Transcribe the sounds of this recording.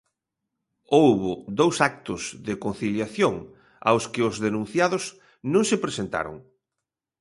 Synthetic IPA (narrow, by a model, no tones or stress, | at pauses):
owβʊðowsak̚t̪ʊzðɪkon̟θiljaθjoŋ | a̰wskɪʊzðenũn̟θjaðʊs | nõŋsɪpɾesent̪a̰ɾʊ̰ŋ